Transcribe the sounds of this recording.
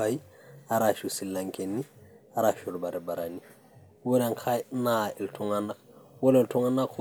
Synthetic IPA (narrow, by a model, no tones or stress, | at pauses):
ai | aɾaʃusilːaŋkenːiaɾaʃuɾbaɾebaɾani | wodaŋkʰanaeltʰuŋanawoleltuŋanakʰo